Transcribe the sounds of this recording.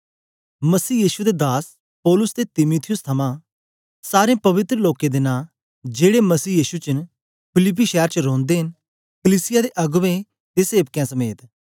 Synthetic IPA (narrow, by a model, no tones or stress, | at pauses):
mɐsiːjiːʃud̪ed̪aːs | pɔːlʊsd̪et̪ɪmuːt̪ʰɪjʊst̪ʰɐmã | saːɾẽpɐʋɪt̪ɾəloːked̪ɪnã | d͡ʒeːɽemɐsiːjiːʃut͡ʃən | pʰɪlɪp̬ːiʃɛːɾt͡ʃəɾõːnd̪eɦɪn | kəliːsɪjad̪eʔɐɡʋẽ | t̪eseːbkjãsɐmeːt̪